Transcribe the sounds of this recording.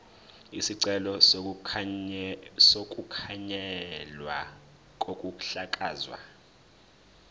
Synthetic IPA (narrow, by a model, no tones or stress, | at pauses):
isiǀɛlɔ | sok̬ʼukʰaɲɛlwa̰ | k̬ʼokʼuk̬ʼu̥ɬakʼaːzwa̰